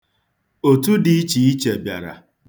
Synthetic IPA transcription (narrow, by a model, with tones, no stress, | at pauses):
o˨tu˦dɪ˦i˦t͡ʃi˨i˦t͡ʃe˨bja̰˨ɾa̰˨